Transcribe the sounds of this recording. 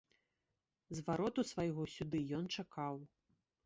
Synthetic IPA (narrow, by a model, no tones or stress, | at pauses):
zvaɾɔt̪usvajɣɔsʲud̪ɨjɔnt͡ʂakʰaw